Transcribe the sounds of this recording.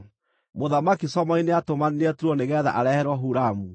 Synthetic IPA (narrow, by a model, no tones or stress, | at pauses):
moðamakisɔmaineatomanineatuɾuɔneɣɛːða̰ʔaɾɛhɛɾwɔɦuɾamu